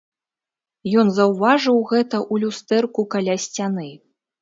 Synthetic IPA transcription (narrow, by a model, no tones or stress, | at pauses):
jɔnzɐwvaʐɨwɣɛt̪ɐʔulʲust̪ɛrkukalʲasʲt͡sʲanɨ